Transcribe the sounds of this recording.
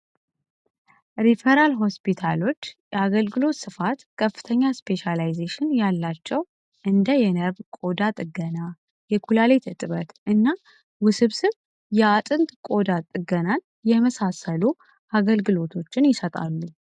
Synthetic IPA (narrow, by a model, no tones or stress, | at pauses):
ɾifeɾalɦo̞spit̪ʰalo̞t͡ʃːjɛaɡəlɡɨlo̞t̪sɨfat̪kʰəfːɨ̥t̪ʰəɲːaspʰe̞ʃalajzeʃɪnjalːat͡ʃːɛw | ʔɨnd̪əjɛnəβkʼo̞d̪at̪ʼɨɡəna | jɛkʰulalet̪ʰɨt̪ʼɨβət̪ʔɨnːa | wʊsɨβsɨβ | jɛat̪ʼɨnt̪ʼkʼo̞d̪at̪ʼɨɡənan | jɛməsasəlu | ʔaɡəlɡɨlo̞t̪ʰo̞t͡ʃːɪnjɪsət̪ʼa̰lːu